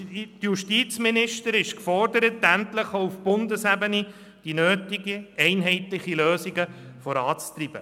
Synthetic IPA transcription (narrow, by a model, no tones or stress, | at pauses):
tjuʃtiːt͡sminɪʃtəɾɪʃkfɔrdəɾətæntləχoʊufb̥ʊndəsæbəni | d̥inøːtiɡiɛɪnɦɛɪtlɪχiløːsiɡəfɔɾɑːt͡st̪rib̥ə